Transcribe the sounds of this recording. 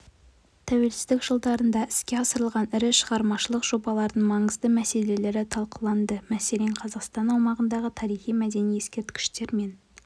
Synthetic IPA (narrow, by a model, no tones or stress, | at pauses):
t̪ʰæwe̞lsɪ̥zd̪ɪkʒ̥əlˠd̪ɑɾənd̪ɑʔɪskʲe̞ɑsəɾəlˠʁɑnɪɾɪʃəʁɑɾmɑʃəlˠəqʒ̥o̞bɑlˠɑɾd̪əɴmɑɴəzd̪əmæse̞le̞le̞ɾɪt̪ʰɑlˠqəlˠɑnd̪əmæseleɴqʰɑzɑqst̪ɑnɑwmɑʁənd̪ɑʁət̪ʰɑɾijχijmæd̪e̞nijeskʲe̞ɾt̪kʲɪ̥ʃt̪e̞ɾme̞n